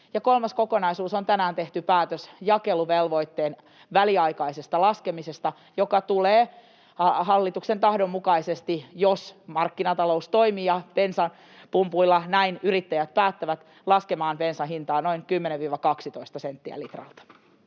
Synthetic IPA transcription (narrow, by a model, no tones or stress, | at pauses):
jɑkolmɑsko̞konɑisuːsont̪ænæːnt̪eht̪ypæːt̪øsjɑkeluʋelʋoit̪ːeːn | ʋæliɑikɑisest̪ɑlɑskemisest̪ɑ | jokɑt̪uleː | ɦɑlːit̪uksent̪ɑhdomːukɑisest̪ijosmɑrkːinɑt̪ɑloust̪oimiːjɑpensɑn | pumpuilːɑnæinyrit̪ːæjæt̪̚pæːt̪ːæʋæt̪ | lɑskemɑːnpensɑɦint̪ɑːnoiŋkymːeneʋʋiːʋɑkɑksit̪oist̪ɑsent̪ːiæ̰lit̪rɑ̰lt̪ɑ̥